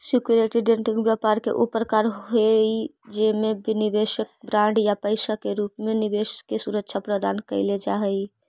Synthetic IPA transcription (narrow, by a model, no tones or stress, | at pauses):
sikjuɾeʈiɖeɳʈĩŋɡbjapaɾkḛʔupɾəkaɾɦoed͡ʒemebinibeʃək̚bɾaɳɖjapəɪsakeɾupmenibeʃkesuɾəkːʃʰapɾəd̪ankəɪled͡ʒaɦəj